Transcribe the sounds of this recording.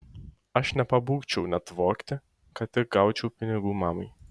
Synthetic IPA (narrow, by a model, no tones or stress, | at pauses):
ɐʃnʲɛpɐbuːkt͡ʃʲɛʊnʲɛt̪ʋɔːkt̪ʲɪ | kɐt̪ɪɡɑʊt͡ʃʲɛʊpʲɪnʲɪɡuːmɑːmɐɪ